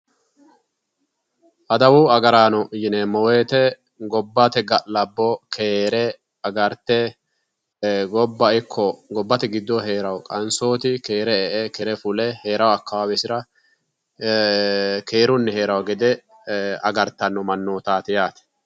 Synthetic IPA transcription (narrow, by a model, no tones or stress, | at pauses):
ʔɐd̪ɐwʊɐɡɐɾaːnɔjɪnemɔwe̞ːt̪ɛ | ɡɔbːat̪ɛɡɐʔlɐbːɔkʰeːɾɛ | ɐɡɐɾt̪ːɛ | ɡɔbːɐɪkʰːɔɡɔbːɐt̪ɛɡɪd̪ːɔɦeːɾɐwkʼɐnsoːt̪ɪkeːɾɛɛʔɛkɛɾɛfʊlɛhe̞ːɾɐwɐkːɐwaːwɛsɪɾɐ | keːɾʊnːɛhe̞ːɾɐwɡɛd̪ɛ | ɐ̰ɡɐɾt̪ːɐnːɔmɐnːoːt̪aːt̪ɪjaːt̪ɛ̥